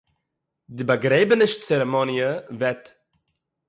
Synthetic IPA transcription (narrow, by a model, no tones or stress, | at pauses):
dɪbaɡɾeɪbənəʃt͡sɛɾɛmɔnjəvɛt